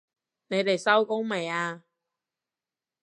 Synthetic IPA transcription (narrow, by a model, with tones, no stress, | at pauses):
ne˨˧jt̪e˨jsɐ˥wko˥ŋme˨˩jaː˧